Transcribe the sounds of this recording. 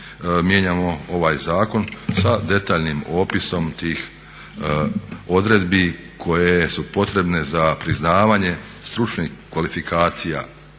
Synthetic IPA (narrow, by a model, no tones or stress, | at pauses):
mje̞ɲaːmo̞o̞ʋaːjzaːko̞nsad̪e̞t̪aːʎnimo̞ːpiso̞mt̪iːx | o̞d̪ɾe̞d̪bi | kʰo̞jesupo̞t̪ɾe̞bne̞zapɾiznaːʋaːɲe̞ | st̪ɾut͡ʃnixkʋalifikʰaːt̪sija̰